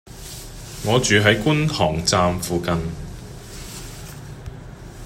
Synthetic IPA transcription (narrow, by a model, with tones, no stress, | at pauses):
ŋɔː˨˧t͡ʃyː˨˧ɦɐ˨˥jkʷʊ˥nt̪ʰɔ̰ː˨˩ŋt͡saː˧mfuː˨kɐ˧n